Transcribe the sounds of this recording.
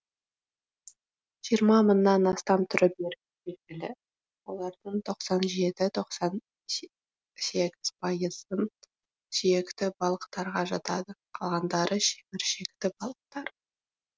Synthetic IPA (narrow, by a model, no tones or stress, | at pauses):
ʒ̥ijəɾmɑmənːɑnɑst̪ɑmt̪ʰʏɾəp̚beɾ | be̞lɡʲɪlɪ | wo̞lˠɑɾd̪əɴt̪ʰo̞qsɑnʒe̞t̪ɪt̪ʰo̞qsɑn | se̞ɡʲɪz̥pʰɑjəzə | sijekt̪ɪbɑlˠəqt̪ɑɾʁɑʒɑt̪ɑd̪əqʰɑlˠʁɑnd̪ɑɾʔəʃebɪɾʃe̞kt̪ɪbɑlˠəq̚t̪ɑɾ